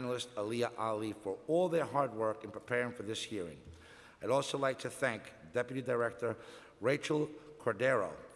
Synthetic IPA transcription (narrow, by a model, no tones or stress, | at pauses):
nl̩ˠɨstəliəʔɑlˠifə˞ɔlˠðə˞ɦɑɹd̚wɜ˞kɨ̃npʰipʰɛɹɪ̃ŋfə˞ðɪshiɹɪ̰̃ŋ | aɪɾɔlˠsoʊlaɪk̚tʰɨθæ̃ŋk | d̥ɛpjɨɾidəɹɛk̚tə˞ | ɹeɪt͡ʃl̩ˠkʰɔɹdɛɹo̰ʊ